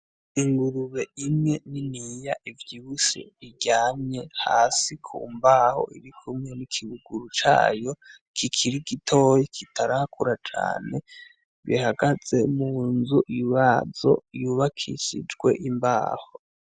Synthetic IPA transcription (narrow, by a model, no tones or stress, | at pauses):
iŋɡuɾuβe̞imŋe̞ninijaʔivjiβusḭβiɟaːmɲe̞ha̰ːsikʰṵːmbaːho̰ʔiɾikʰumŋe̞nikʰiβuɡuɾut͡ʃa̰ːjo̞ | kʰikʰiɾiɡitʰo̞jekʰitʰaɾahakʰuɾat͡ʃa̰ːne̞ | βihaɡaz̥e̞muːnzuʔjuβazo̞̰juβakʰḭʃḭd͡ʒɡwe̞̰ʔimba̰ːho